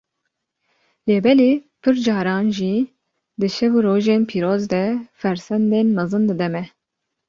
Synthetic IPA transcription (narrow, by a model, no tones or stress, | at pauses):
leːbɛleːpʰɨɾd͡ʒɑːɾɑːnʒi | d̪ɨʃɛvuɾoːʒeːnpʰiːɾoːzd̪ɛfɛɾsɛnd̪eːnmɛzɨnd̪ɨd̪ɛmɛ